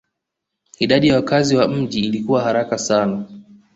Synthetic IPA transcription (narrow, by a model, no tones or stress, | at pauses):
iɗaɗijawakaziwam̩ʄiːlikuwahaɾakasana